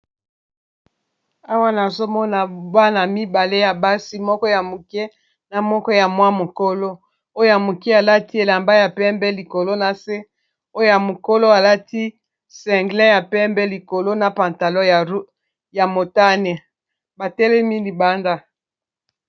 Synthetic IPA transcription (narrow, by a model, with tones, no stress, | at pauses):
a˦wa˦na˨zo˦mɔ˦na˨ba˦na˨mi˦ba˨le˦ja˨ba˦si˦mɔ˦kɔ˦ja˨mo˨kɛ˦ | na˨mɔ˦kɔ˦ja˨mwa˦mo˨ko˦lo˦ | o˦jo˦ja˨mo˨ki˦a˨la˦ti˦e˨la˨mba˦ja˨pɛ˦mbɛ˦li˨ko˨lo˦na˨se˦ | o˦jo˦ja˨mo˨ko˦lo˦a˨la˦ti˦ | sɛ̃˨ŋɡlɛ̃˦ja˨pɛ˦mbɛ˦li˨ko˨lo˦na˨pã˨nta˨lɔ˦ja˨˦ | ja˨mo˨ta˦nɛ˨ | ba˨tɛ˦lɛ˦mi˦li˨ba˦nda˦